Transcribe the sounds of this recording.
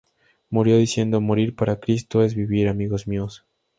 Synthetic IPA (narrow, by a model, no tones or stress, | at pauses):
muɾjo̞ðisje̞nd̪o̞mo̞ɾiɾpaɾakɾist̪oe̞zβiβiɾamiɣozmios